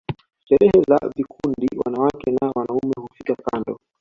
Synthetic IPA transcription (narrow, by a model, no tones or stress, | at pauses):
ʃɛɾɛhɛza̰vikundiwa̰nawakɛnawanaumɛhufikakandɔ